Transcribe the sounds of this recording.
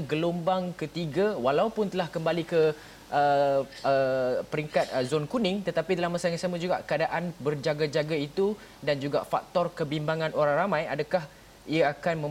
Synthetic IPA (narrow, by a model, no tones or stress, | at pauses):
ɡəlombaŋkət̪iɡawalaupʊnt̪əlahkəmbalikə | ʔəəpəɾiŋkat̪̚zɔnkunɪŋt̪ət̪apidalamːasaŋasamãd͡ʒuɡaʔkəadaʔanbərd͡ʒaɡad͡ʒaɡait̪u | dand͡ʒuɡa̰ʔfak̚t̪ɔrkəbimbaŋãnoɾaŋramãjadakah | iaakanmə̃